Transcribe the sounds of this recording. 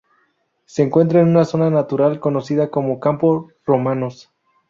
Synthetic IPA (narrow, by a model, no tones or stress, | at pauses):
se̞ːŋkwe̞nt̪ɾaenũnaso̞nanat̪uɾalko̞no̞siðako̞mo̞kampo | ro̞mano̞s